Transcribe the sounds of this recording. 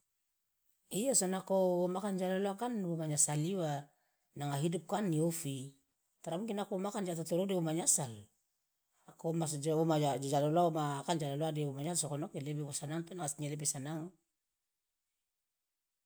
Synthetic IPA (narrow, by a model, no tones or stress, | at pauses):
iosonakoomakand͡ʒaloloakanomaɲasaliwa | naŋaɦidup̚kanːiofi | taɾamukinakomakand͡ʒatotoɾodeβomaɲasal | akomasd͡ʒomaad͡ʒd͡ʒaloloaomakand͡ʒaloloadeomaɲasokonokelebeβosanaŋpenaŋasɲelebesanaŋ